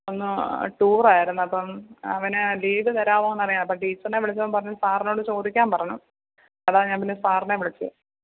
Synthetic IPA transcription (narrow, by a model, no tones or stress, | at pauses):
o̞nːɨʈuːraːjiɾunːuɐpːomɐʋɐnɨliːʋɨt̪ɐɾaːʋoenːɐrijaːnɐpːɐmʈiːt͡ɕːɐneʋiɭɐt͡ɕːɐpːɐmpɐrɐɲːulsaːrno̞ːɽɨt͡ɕo̞ːd̪ikʲːaːmpɐrɐɲu | ɐðaːɲaːmpinːesaːrneʋiɭit͡ɕːɨ